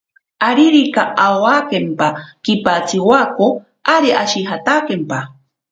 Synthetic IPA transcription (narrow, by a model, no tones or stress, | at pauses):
aɾiɾikaawakempakipat͡siwako | aɾiʔaʃiɦat̪akempa